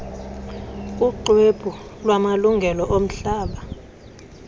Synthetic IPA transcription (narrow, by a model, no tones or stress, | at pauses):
uǃwebʰʱulwamaluŋɡʱɛlɔʔom̩ɬaːɓa